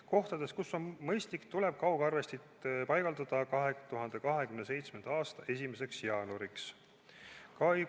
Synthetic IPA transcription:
ko̞ht̪ɑd̪̥e̞skusːo̞nmɤjst̪likt̪ule̞b̥̚kɑwɡ̥ɑrve̞st̪it̪pɑjɡ̥ɑld̪ɑd̪̥ɑkɑɦe̞t̪uɦɑnd̪̥e̞kɑɦe̞kymnes̬e̞jt̪sme̞nd̪̥ɑɑːst̪ɑʔe̞sʲime̞se̞ksjɑːnoɾiks | kɑj

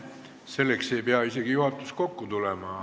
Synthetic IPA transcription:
se̞lːekse̞jpeɑise̞ɡ̥ijuhɑt̪ːˑu̥s̚ko̞kːut̪ulemɑ

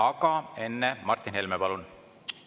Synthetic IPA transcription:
ɑɡɑe̞nːemɑrt̪ːinhelmepɑlun

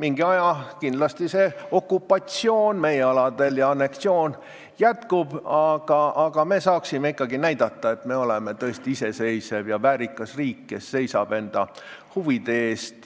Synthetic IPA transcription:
miŋɡiɑjɑkind̪lɑst̪ise̞o̞kːupːˑɑt̪sio̞ːnme̞jeɑlɑd̪e̞ljɑɑne̞ktsio̞ːn | jæt̪kub̥ɑɡ̥ɑːɡ̥ɑme̞ːsɑːksime̞ikːˑɑɡinæjd̪̥ɑt̪ːɑe̞t̪me̞o̞leme̞t̪ɤ̞est̪iise̞se̞jse̞vjɑvæːɾikːˑɑsriːkːe̞sːe̞jsɑb̥e̞nd̪̥ɑ̰huvid̪̥e̞eːst̪

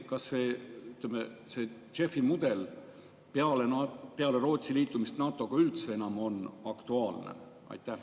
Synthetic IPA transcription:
kɑsːeːyt̪ːˑlemese̞ | t͡ʃe̞fːimud̪̥e̞l | peɑlenɑpeɑle̞ɾo̞ːt̪siliːt̪ːˑumist̪nɑːt̪ːˑo̞ɡ̥ɑylt̪se̞enɑmo̞nɑkt̪uɑːlnḛʔɑ̰jt̪ːˑæh

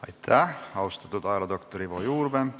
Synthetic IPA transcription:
ɑjt̪ʰːæɑwst̪ɑ̥t̪ut̪ɑjɾɑd̪okt̪oɾiʋojuːɾben

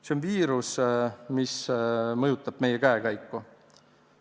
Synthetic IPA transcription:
seonviːɾusmismɤjut̪ːˑɑb̥me̞jekæekæjkːu

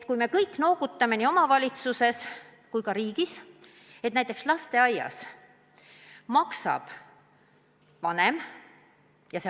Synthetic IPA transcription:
t̪kujme̞kɤjkːˑno̞wɡut̪ːˑɑme̞nio̞mɑvɑlʲit̪suse̞s | kujkɑɾiːɡ̥is | et̪næjt̪ːˑe̞kslɑst̪e̞ɑjɑ̰s | mɑksɑ̰b̥ | vɑne̞m | jɑse

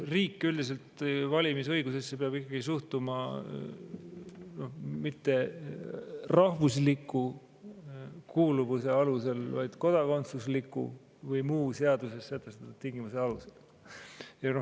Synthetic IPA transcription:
riːkːyld̪̥is̬e̞lt̪vɑlʲimisɤ̞jɡusesːep̬eɑb̥ikːɑɡisuht̪umɑ | no̞hmit̪ːe̞ | rɑhvuslikːˑu | kuːluvuse̞ɑluse̞lvɑjd̪̥ko̞d̪̥ɑko̞nt̪suslikːˑṵ | vɤjmuːse̞ɑd̪use̞sːet̪ːˑest̪ɑt̪ːu̥t̪iŋɡimuseɑluse̞l | jɑno

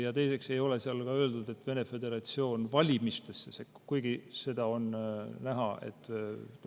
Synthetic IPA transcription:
jɑt̪e̞jse̞kse̞jo̞le̞siɑlkɑø̞ːld̪ud̪̥e̞t̪ːve̞ne̞fe̞d̪e̞ɾɑt̪sio̞ːnvɑlʲimist̪e̞sːesekːkujɡ̥ise̞d̪̥ɑo̞nnæɦɑe̞̰t̪ːˑ

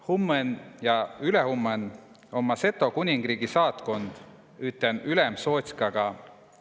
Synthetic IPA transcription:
humːenjɑylehumːen | o̞mːɑse̞t̪ːˑo̞kunʲiŋɡ̥riːɡ̥isɑːt̪ko̞nd̪̥ | yt̪ːˑenylemso̞ːt̪skɑɡ̥ɑ

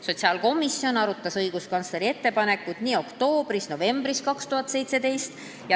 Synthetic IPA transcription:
so̞t̪siɑːlko̞misjo̞nɑɾut̪ːˑɑsɤjɡ̥uskɑnsle̞ɾie̞t̪ːe̞pɑne̞kːˑud̪̥niːo̞kt̪o̞ːb̥ɾisno̞ve̞mbɾiskɑkst̪uɦɑt̪ːˑse̞jt̪se̞d̪e̞jst̪ | jɑ

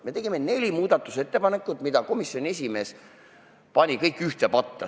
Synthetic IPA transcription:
me̞t̪e̞ɡ̥imene̞lʲimuːd̪ɑt̪ːˑuse̞t̪ːe̞pɑne̞kːˑut̪mid̪ɑko̞misjo̞nʲie̞s̬ʲime̞ːs | pɑnʲikɤjkːˑyht̪epɑt̪ˑːɑ

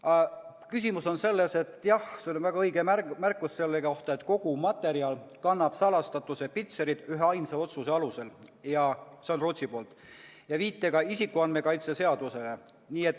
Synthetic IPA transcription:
kysimuso̞nse̞lːese̞t̪ːjɑhseolonvæɡ̥ɑɤjɡ̥emæmærkːˑusse̞lːekoht̪ɑet̪ˑko̞ɡ̥umɑt̪ːˑe̞ɾiɑlkɑnːɑb̥sɑlɑst̪ɑt̪ːuse̞pit̪seɾid̪̥yɦeɑjnsɑo̞t̪suse̞ɑluse̞ljɑseonrot̪ʲsipo̞ːlt̪ˑ | jɑviːt̪ːekɑisikːˑuɑnme̞kɑjt̪se̞se̞ɑd̪̥use̞le | niːe̞t̪ːˑ

